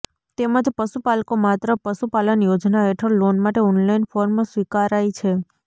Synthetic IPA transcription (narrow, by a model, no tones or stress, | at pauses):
t̪eməd͡ʒpəsupalkomat̪ɾəpəsupalənjod͡ʒnaɦeʈʰəɾlonmaʈeɔnlainfoɾmsʋikaɾajt͡ʃʰe